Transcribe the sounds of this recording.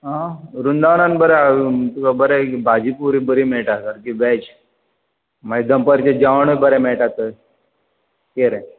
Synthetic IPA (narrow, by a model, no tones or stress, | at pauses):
ɦãɾund̪aʋnanbəɾɛat̪ukabəɾɛbʱad͡ʑipuɾibəɾimeɭʈasəɾkiʋɛt͡ɕ | maid̪əmpəɾt͡ɕed͡ʑaʋɳəbəɾɛmɛɭʈat̪əj | keɾẽ